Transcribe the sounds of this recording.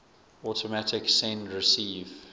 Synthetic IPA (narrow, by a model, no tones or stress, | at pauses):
ɔtəmætɪksɛ̃nɹɪsiːv